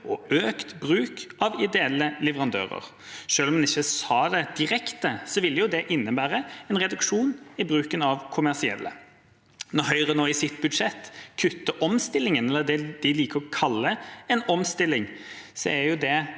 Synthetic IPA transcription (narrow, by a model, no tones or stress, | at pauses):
ɔøːkt̪bɾʉːkɑʋɪd̪ɛɛlːəlɛʋəʁɑnd̪ø̰ːɾə̰ɾ | ʂøːlɔmɛnɪçːəsɑːd̪ɛd̪̥ɪɾɛkt̪əsɔʋɪlːəjʊd̪ɛʔɪnːəbæːɾəɛnʁɛd̪ʉkʂuːnɪbʁʉːkənɑʋkʰʊmæʁsɪɛ̰lːə̰ | nɔhœʏʁənoːɪsɪt̪bʉd̪ʂɛt̪ːkʰʉt̪ːəʔɔmst̪ɪlːɪŋənɛlːəd̪ɛd̪̥ɪliːkəʁɔkʰɑlːəɛnɔmst̪ɪlːɪŋsɔ̰æjʊd̪ɛ